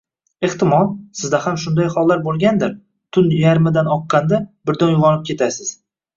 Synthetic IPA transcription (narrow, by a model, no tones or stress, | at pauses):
e̞ht̪ɪmɒlˠsɪzd̪ahamʃʊnd̪ajχɒlˠːaɾbolˠɡʲand̪ɪɾ | t̪ʰʊnjaɾmɪd̪anɒqːɑnd̪abɪɾd̪ɒnjʊʁɒnɪp̚kʲʰe̞t̪ʰasɪz̥